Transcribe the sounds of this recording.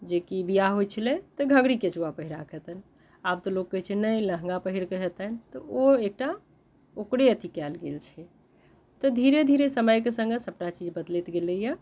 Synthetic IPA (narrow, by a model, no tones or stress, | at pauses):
d͡ʒekibijaɦojt͡ʃʰəlɛt̪ɔɡʱə̃ɡɽiket͡ʃuapəɦiɾakɛt̪ən | ab̚t̪ɔlokːəɦɛt͡ʃʰɛnəjləɦŋɡapəɦiɾkəɦɛt̪ənt̪ɔoek̚ʈa | okɽeət̪ikɛlɡelt͡ʃʰɛ | t̪ɔd̪ʱiɾed̪ʱiɾesəməjkesə̃ŋɡesəb̚ʈat͡ʃid͡ʒbəd̪let̪ɡelejə